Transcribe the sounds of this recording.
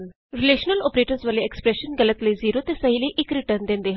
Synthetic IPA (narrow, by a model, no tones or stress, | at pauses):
ɾɪleːʃnəlɔːpɾeːʈəɾsʋɐleeːkspɾeʃənɡɐlət̪ləiziːɾot̪esɐɦileiʔɪkɾɪʈəɾnd̪ẽːnd̪eːɦ